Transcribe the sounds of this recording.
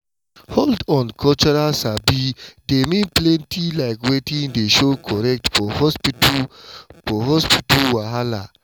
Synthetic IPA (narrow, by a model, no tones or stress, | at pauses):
holdɔ̃nkʰɔlt͡ʃɔɹalsabidemĩnplɛ̃ntʰilaɪkwetĩŋdeʃokʰɔɹɛk̚tfɔhɔspit | fɔɦɔspitulwaɦala